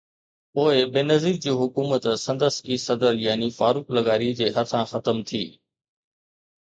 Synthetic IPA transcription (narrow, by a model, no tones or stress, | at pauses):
poːɪbeːnɐziːk̚d͡ʑiːɦʊkuːmət̪sɐ̃nd̪əskisɐd̪əljaːnifaːɾuːklɐɡaːɾid͡ʑeːɦɐt̪ʰãxɐt̪əmt̪ʰiː